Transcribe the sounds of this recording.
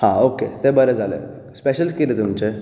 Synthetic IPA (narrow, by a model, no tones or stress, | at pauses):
hãoːket̪ebəɾed͡zalḛ | speʃəlskiɾet̪umt͡ɕe